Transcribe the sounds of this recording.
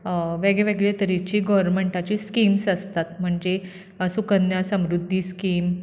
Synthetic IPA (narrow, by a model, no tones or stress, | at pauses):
ʋeɡɭeʋeɡɭet̪əɾit͡ɕiːɡɔʋəɾmeɳʈat͡ɕiskimsəst̪at̪m̤əɳd͡ʑe | sukənjasəmɾud̪ʱːiskim